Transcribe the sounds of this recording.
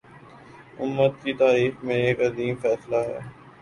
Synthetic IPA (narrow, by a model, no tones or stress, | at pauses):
ʊmːət̪̚kit̪aːɾiːxmẽeːkɐziːmfɛːslaɦɛ̰ː